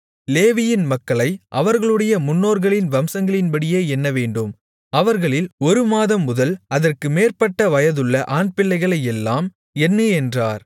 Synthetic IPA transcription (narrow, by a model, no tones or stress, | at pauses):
leːʋɪjɪnmɐkːɐɭɐɪʔɐʋɐɾɣɐɭɯɽɐjɐmʊnːoːɾɣɐɭɪnʋɐmsɐŋɡɐɭɪnpɐɽɪjeːɛnːɐʋeːɳɖɯm | ɐʋɐɾɣɐɭɪlɔɾɯmaːðɐmːʊðɐlɐðɐrkɯmeːrpɐʈːɐʋɐjɐðɯɭːɐʔaːnpɪlːɐɪɣɐɭɐjɛlːaːm | ɛnːɯɛndraːɾ